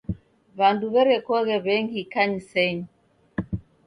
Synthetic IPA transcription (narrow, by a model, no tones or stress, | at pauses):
βanduβɛɾɛkɔɣɛβɛŋɡikaɲisɛɲi